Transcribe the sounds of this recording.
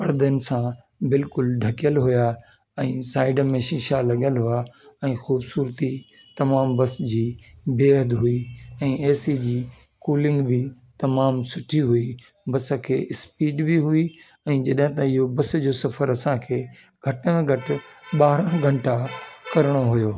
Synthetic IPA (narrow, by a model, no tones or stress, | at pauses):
pɐɽd̪ənɪ̆sã | bɪlkʊlɖʱɐkijəlɦuja | ɛ̃ːsaːɪɖmẽʃɪʃalɐɠjəlɦuaɛ̃ːxuːbsuːɾt̪i | t̪ɐmaːmbɐsd͡ʑiːbeːɦəd̪ɦuiɛ̃ːeːsid͡ʑiː | kuːlɪ̃ŋɡbɪ | t̪ɐmaːmsʊʈʰiɦui | bɐsə̆kʰḛːʔɪspiːɖbiɦui | ɛ̃ːd͡ʑɐɗɦɪ̃t̪ɐɪɦobɐsd͡ʑoːsɐfəɾɐsãkʰeː | ɡʱɐʈə̃ɡʱɐʈɪɓaːɦɾə̃ɡʱɐ̃ɳʈakɐɾɪɽ̃oɦujoː